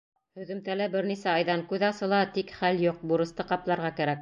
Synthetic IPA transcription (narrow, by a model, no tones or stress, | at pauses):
hɵ̆ðɵ̆mt̪ælæbɘɾnisæɑjðɑŋkʉðɑsɤ̆lˠɑt̪ikχæljuq̚buɾɤ̆st̪ɤqɑplˠɑɾʁɑkæɾæk̚